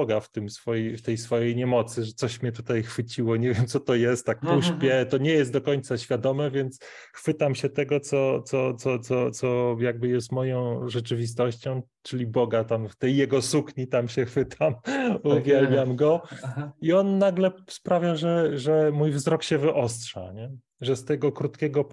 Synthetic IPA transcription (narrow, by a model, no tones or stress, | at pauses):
ɔɡaft̪ɘmsfɔjift̪ɛjsfɔjejɲɛmɔt̪sɘʐɛt̪sɔɕmʲɲɛt̪ut̪ajxfɘt͡ɕiwɔɲevʲjɛmt̪sɔt̪ɔjɛst̪ːak̚puʂpʲjɛt̪ɔɲɛjɛst̪d̪ɔkɔɲt̪saɕfʲjad̪ɔmɛvʲjɛnt̪s | xfɘt̪amɕɛt̪ɛɡɔt̪sɔt̪sɔt̪sɔt̪sɔt̪sɔjaɡ̚bɘjɛs̬t̪mɔjɔ̃w̃ʐɛt͡ʂɘvʲis̬t̪ɔɕt͡ɕɔ̃w̃ | t͡ʂɘlʲibɔɡat̪amft̪ɛjːɛɡɔsukɲit̪amɕɛxfɘt̪ʰamuvʲjɛlmʲjamɡɔ | iɔnːaɡlɛspɾavʲjaʐɛʐɛmujvzɾɔkɕɛvɘʔɔs̬tʂa̰ɲɛ | ʐɛst̪ɛɡɔkɾut̪kʲɛɡɔ